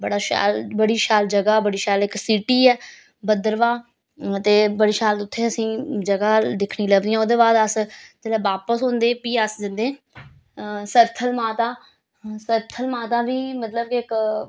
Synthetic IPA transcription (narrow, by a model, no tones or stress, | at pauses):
bəɽaːʃa̰ːlbəɽiːʃaːld͡ʒəɡaːbəɽiːʃaːlɪksiːʈiːɛː | bəd̪əɾʋãː | t̪eːbəɽiːʃaːlt̪ʊt̪ʰːeːəsĩːd͡ʒəɡaːd̪ɪkʰɽiːləɡd̪iːãːoːd̪eːbaːd̪əst̪elɛːʋaːpəsɦʊ̃nd̪eːpiːəsd͡ʒənd̪ẽː | səɾt̪ʰəlmaːt̪aː | səɾt̪ʰəlmaːt̪aːʋiːmət̪ləb̚kiːɪk